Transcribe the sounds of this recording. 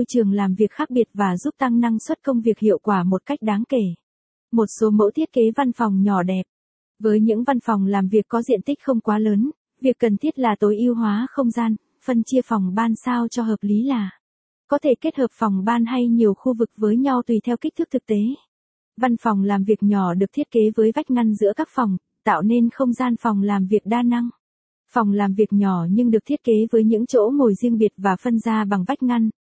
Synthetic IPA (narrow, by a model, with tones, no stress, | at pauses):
mo˧jt͡ɕɨ˨˩əŋlaː˨˩mvi˨˩ək̚xaː˦˥k̚ɓi˨˩ət̚vaː˨˩zu˦˥p̚t̪a˧ŋna˧ŋswə˦˥t̚kə˧wŋ͡mvi˨˩ək̚hḭ˧˨əwkwaː˧˩mo˨˩t̚ka˦˥jk̟̚ɗaː˨˦ŋke˧˩ | mo˨˩t̚so˨˦mo̰˧˥t̪ʰi˦˥ət̚ke˨˦va˧nfɔ˨˩wŋ͡mɲɔ˧˩ɗɛ˨˩p̚ | vəː˨˦jɲɨ̰˧˥ŋva˧nfɔ˨˩wŋ͡mlaː˨˩mvi˨˩əkːɔ˨˦zḭ˧˨ənt̪i˦˥k̟̚xə˧wŋ͡mkwaː˨˦ləː˨˦n | vi˨˩əkːə˨˩nt̪ʰi˦˥ət̚laː˨˩t̪o˨˦jʔi˧əwɦwaː˨˦xə˧wŋ͡mzaː˧n | fə˧nt͡ɕi˧əfɔ˨˩wŋ͡mɓaː˧nsaː˧wt͡ɕɔ˧ɦəː˨˩p̚li˨˦laː˨˩ | kɔ˨˦t̪ʰe˧˩ke˦˥t̚həː˨˩p̚fɔ˨˩wŋ͡mɓaː˧nɦa˧jɲi˨˩əwxu˧vɨ˨˩k̚vəː˨˦jɲa˧wt̪wi˨˩t̪ʰɛ˧wkk̚t̪ʰɨ˦˥k̚t̪ʰɨ˨˩k̚t̪e˨˦ | va˧nfɔ˨˩wŋ͡mlaː˨˩mvi˨˩ək̚ɲɔ˧˩ɗɨ˨˩k̚t̪ʰi˦˥t̚ke˨˦vəː˨˦jva˦˥jk̟̚ŋa˧jŋ̟zɨ̰˧˥əkaː˦˥k̚fɔ˨˩wŋ͡m | t̪a̰ː˧˨wne˧nxə˧wŋ͡mzaː˧nfɔ˨˩wŋ͡mlaː˨˩mvi˨˩ək̚ɗaː˧na˧ŋ | fɔ˨˩wŋ͡mlaː˨˩mvi˨˩ək̚ɲɔ˧˩ɲɨ˧ŋɗɨ˨˩ək̚t̪ʰi˦˥ət̚ke˨˦vəː˨˦jɲɨ̰˧˥ŋt͡ɕo̰˧˥mo˨˩jzi˧əŋɓi˨˩ət̚vaː˨˩fə˧nzaː˧ɓa˨˩ŋva˦˥k̟̚ŋa˧ŋ